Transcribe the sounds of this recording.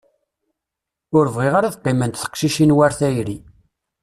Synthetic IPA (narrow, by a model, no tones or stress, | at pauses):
ʊɾvʁeʁaɾaθqːɪmənt̪θə̥qʃiʃinwæɾθæjɾi